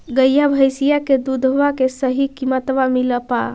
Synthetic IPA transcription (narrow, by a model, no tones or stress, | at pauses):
ɡəjabʱəjsijaked̪ud̪ʱɦoʋakesəɦikimət̪ʋamiləpa̰